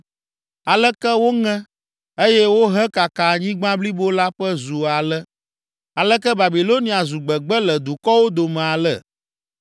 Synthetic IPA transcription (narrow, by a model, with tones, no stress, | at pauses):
a˨lɛ˦kɛ˦wo˦ŋɛ̃˦ | e˦jɛ˦wo˦ɦɛ˦ka˨ka˨ɲĩ˦ɡ͡bã˦bli˦bo˦la˦ɸɛ˦zu˨a˨lɛ˦ | a˨lɛ˦kɛ˦ba˨bi˨lo˦nĩ˨a˨zu˨ɡ͡bɛ˨ɡ͡bɛ˦lɛ˨d̪u˨kɔ˦wo˦d̪o˨mɛ̃˨a˨lɛ̰˨